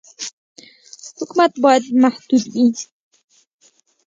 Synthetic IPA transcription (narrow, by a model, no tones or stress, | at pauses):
hʊkmat̪baɪd̪maħd̪uːd̪bi